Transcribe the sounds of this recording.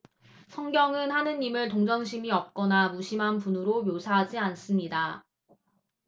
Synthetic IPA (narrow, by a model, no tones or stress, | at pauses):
sʰʌŋɡjʌŋɯnhanɯnːimɯɭtoŋd͡ʑʌŋɕʰimiʌp̚k͈ʌnamuɕʰimɦanpunɯɾomjosʰaɦad͡ʑians͈ɯmɲida